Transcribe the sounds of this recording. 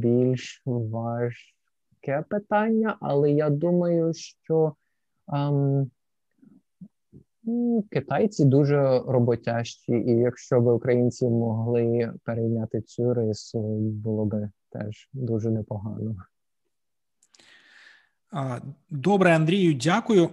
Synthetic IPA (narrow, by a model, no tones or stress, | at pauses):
bʲilʲʃʋɑʒ | kɛpɪt̪ɑnʲːɐʔɐlˠɛjad̪umɐjʊʃt͡ʃɔ | m | kɪt̪ɑjt͡sʲid̪uʒɛɾɔbɔtʲaʃt͡ʃʲiʔijɐkʃt͡ʃɔbɪʊkɾɐjinʲt͡sʲimɔɦlˠɪpeɾejnʲat̪ɪt͡sʲuɾɪsʊbʊlˠɔbɪt̪ɛ̰ʒ | d̪uʒɛnɛpɔɦɑnɔ | d̪ɔbɾɛɐnd̪ɾʲijʊdʲakʊjʊ